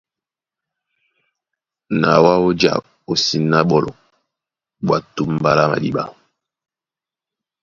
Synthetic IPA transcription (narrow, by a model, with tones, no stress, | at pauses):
na˨wa˦o˦d͡ʒa̰˨ | o˨si˨nːa˦ɓɔ˨lɔ˨ | ɓwa˨tu˦m˦ba˦la˦ma̰˨ɗi˦ɓa̰˦